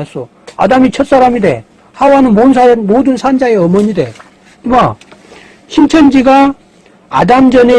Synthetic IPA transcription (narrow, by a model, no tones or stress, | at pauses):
s͈o | a̰damit͡ɕʰʌt̚s͈aɾamide̞̰ | hawanɯnmonsʰamodɯnsʰand͡ʑae̞ʌmʌɲide̞̰ | ma | ɕʰint͡ɕʰʌnd͡ʑiɡa | a̰damd͡ʑʌne